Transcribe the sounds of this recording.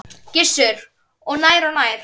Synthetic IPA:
cɪsːʏɾ | ɔɣnaːjɾɔnajɾ̥

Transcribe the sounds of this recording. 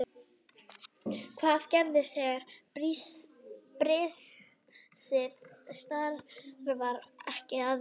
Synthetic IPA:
kʰvaːðcɛɾðɪsɛːɣaɾ̥pɾi | pɾɪs | sɪðst̪aɾɾvaɾɛhcɪað

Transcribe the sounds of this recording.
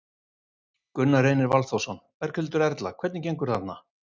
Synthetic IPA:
kʏnːareːjnɪɾvalθowsɔnvɛɾ̥kʰɛlt̪ʏɾɛɾt̪lakʰvɛɾt̪nɪcejŋkʏɾ̥θat̪na

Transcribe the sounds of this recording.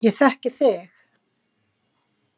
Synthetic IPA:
jɛθɛhcɪθɪx

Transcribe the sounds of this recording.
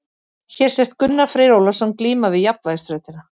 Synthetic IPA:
çɛɾ̥sɛst̪̚kʏnːafɾɪɾowlḁsɔnkliːmavɪðjapnvaðst̪ɾœːɥt̪ɪna

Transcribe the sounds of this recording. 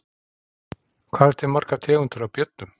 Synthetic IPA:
kʰvaːðɛ̥t̪ʰɛɾmar̥kat̪ʰɛːɣʏnt̪ʏɾawpjœt̪̚nʏm

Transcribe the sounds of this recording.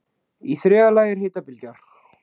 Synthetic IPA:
iθɾɛːalaːjɪɾ̥heːt̪apɪlcaɾ̥

